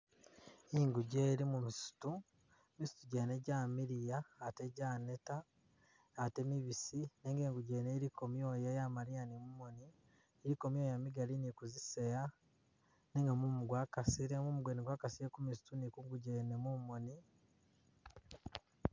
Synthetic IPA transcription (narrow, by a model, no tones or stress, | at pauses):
iŋɡuɟeːɾimumisu̥tu | misu̥tuɟeːneɟaːmiɾijaːteɟaːne̞taː | te̞miβisineːŋɡeːŋɡuɟeːneɾikomjo̞ːjajamaɾianimumoni | eɾikomjoːjamiɡalinikuziseja | neŋɡamumuɡwaːkasiɾemumuɡweniɡwaːkasiɾekumisu̥tunikuŋɡuɟenemumoni